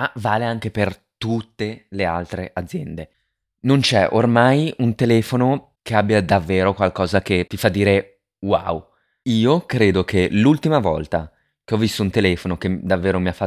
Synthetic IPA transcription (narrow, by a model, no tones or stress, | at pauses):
avaːleaŋk̟eper | t̪ut̪ːelea̰lt̪ɾeʔad̪zːjɛnd̪e | nont͡ʃɛʔormajunt̪elɛːfono | keabːjad̪avːeːɾokwalkɔːzak̟et̪ːifad̪ːiːɾe | wa̰w | iːokɾeːd̪ok̟elult̪imavɔ̰lt̪a | k̟eɔvːist̪ount̪elɛːfonoked̪avːeːɾomiafa